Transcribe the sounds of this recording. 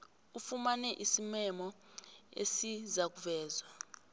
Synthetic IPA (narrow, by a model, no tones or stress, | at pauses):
ufumanɛʔisimɛmɔ | ḛsizak̬uvɛːzwa